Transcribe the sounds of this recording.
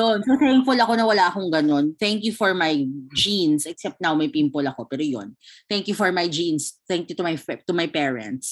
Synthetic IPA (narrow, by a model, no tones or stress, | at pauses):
jonsowθɛŋfʊlɐko̞nɐwɐlaʔɐkoŋɡɐno̞nθɛŋkjufɔɹmajd͡ʒĩnsʔɛksɛp̚t̪̚nawmɐjpimpolɐko̞pɛːɾojo̰nθɛŋkjufɔɹmajd͡ʒĩnsθɛŋkjut̪ʊmɐjɛt̪ʊmɐjpɛːɹɛ̰̃nt̪s